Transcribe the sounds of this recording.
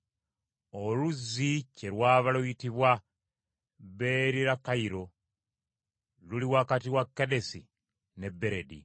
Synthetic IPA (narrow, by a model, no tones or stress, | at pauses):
oluzːice̞lwaːβaluitiβwa | βe̞ɾiɾakaiɾo̞ | luliwakatiwakːede̞si | ne̞bːe̞ɾe̞dḭ